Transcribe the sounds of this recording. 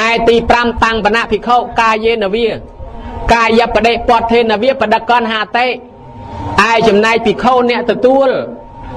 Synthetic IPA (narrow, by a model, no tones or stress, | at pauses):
aɛt̪iːpramt̪aŋɓanaʔpʰikʰoːʔkaːjeːnəʋiə | kaːjəpːəɗeːʔ̚poət̪ʰːeːnəʋiəpəɗəkːɔnɦaːt̪eːʔ | ʔaɛt͡ɕɑmnaɛk̚pikʰoːnɛ̆əʔt̪ɔt̪uəl